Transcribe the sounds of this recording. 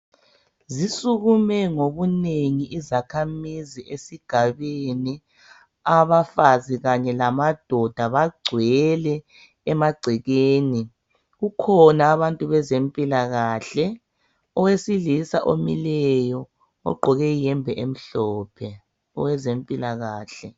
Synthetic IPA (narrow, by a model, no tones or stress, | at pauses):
zisuɣumɛŋoβuneŋiʔizakʰamiziʔesiɡ̥ʱaβeni | aβafaziɣaɲɛlamad̥ʱɔd̥ʱaβaɡ͡ǀʱwɛlɛː | maɡ͡ǀʱɛɣeːni | ɣukʰɔnaːβantʼuβɛzempʼilaɣaːɬɛ | ɔwesilisaʔomilɛjɔ | ɔ̰ɡ͡ǃʱɔɣɛjɛmbʱɛʔem̩ɬɔːpʰɛ | ɔwɛzempʼilaɣaːɬɛ